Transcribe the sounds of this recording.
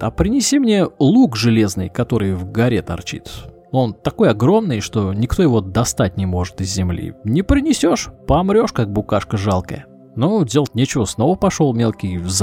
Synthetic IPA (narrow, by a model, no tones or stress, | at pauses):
ɐ̰pɾʲɪnʲɪsʲimnʲe̞lˠukʐɨlʲe̞znɨ̰jkɐt̪o̞ɾɨjvɡɐɾʲet̪ɐ̰rt͡ɕḭt̪ | o̞nt̪ɐko̞jɐɡɾo̞mnɨjʂt̪o̞nʲɪkt̪o̞jɪvo̞d̪ɐst̪at̚ʲnʲɪmo̞ʐɨt̪ɪzʲːɪmlʲḭnʲɪpɾʲɪnʲɪsʲo̞ʂpɐmɾʲo̞ʂkak̚bʊkaʂkəʐalˠkə̰jə | nodʲelˠətʲnʲet͡ɕɪvəsno̞vəpɐʂo̞lˠmʲelˠkʲɪjvz